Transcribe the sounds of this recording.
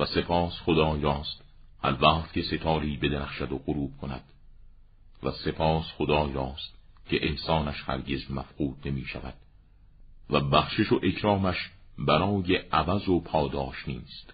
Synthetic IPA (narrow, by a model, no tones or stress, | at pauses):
væse̞pʰɒːsχod̪ɒːjɒːst̪ | hæɾvæqt̪̚kʰe̞se̞t̪ʰɒːɾiːbe̞d̪enæxʃæd̪oɣoɾuːb̥̚kʰonæ̰d̪̥ | væse̞pʰɒːsχod̪ɒːjɒːst̪̚ | cʰe̞ʔehsɒːnæʃhæ̰ɾɟe̞zmæfquːd̪̚ne̞miːʃæ̰væ̰d̪̥̚ | væbæχʃeʃoʔe̞kʰɾɒːmæʃ | bæɾɒːje̞ʔævæzopʰɒːd̪ɒːʃniːst̪